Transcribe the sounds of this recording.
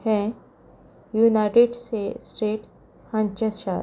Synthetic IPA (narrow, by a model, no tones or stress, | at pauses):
hɛ̃ | juːnaɪʈɪɖsesʈeːʈ | hɐ̃ɲt͡ʃəʃaːɾ